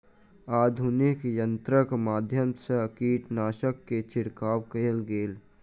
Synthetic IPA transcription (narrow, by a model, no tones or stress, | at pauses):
aːd̪ʱunɪkjə̃nt̪ɾəkmaːd̪ʱjəmsəkiːʈnaːʃəkːet͡ʃɪɽkaːʋkəlɡeːl